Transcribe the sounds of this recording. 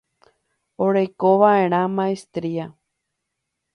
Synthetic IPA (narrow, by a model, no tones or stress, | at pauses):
oɾejkoʋaʔeɾ̃ãmãest̪ɾia